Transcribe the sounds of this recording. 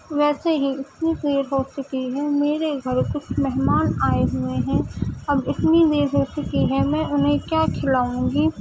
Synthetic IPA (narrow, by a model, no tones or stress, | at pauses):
ʋɛːseɦiɪt̪nieːɾɦoːt͡ʃʊkiɦɛːmeːɾeɡʱɐɾkʊt͡ʃʰmɛɦmaːnaːeɦʊeɦɛ̃ːɐbɪt̪nid̪eːɾɦoːt͡ʃʊkiɦɛmɛ̃ːʊnɦẽkjaːkʰɪlaːũːɡiː